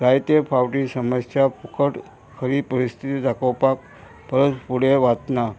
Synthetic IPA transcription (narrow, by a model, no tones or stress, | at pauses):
ɾajt̪epʰawʈisəməsjapukʰəʈ | kʰəɾipəɾist̪ʰit̪id̪akʰəwpak̚ | pəɾət̪puɽeʋat̪na